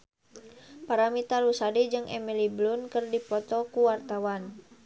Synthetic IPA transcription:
paɾamit̪alusadid͡ʒɨŋɛmiliblunkɨrdipɔt̪ɔkuwart̪awan

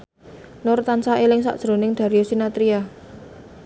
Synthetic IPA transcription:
nʊrt̪ansaʔelɪŋsa̰ʔd̥ʒ̥ɾo̤nɪŋd̪̥a̤ɾiosinat̪ɾia

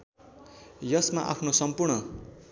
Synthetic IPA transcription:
jʌsmaʔa̰pʰnosʌmpurɳʌ

